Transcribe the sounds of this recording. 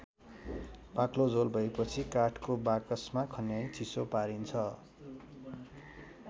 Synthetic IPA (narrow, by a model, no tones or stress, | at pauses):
paklod͡zolbʱʌepʌt͡sʰikaʈkobakʌsmakʰʌnjajt͡sʰisopaɾint͡sʰʌ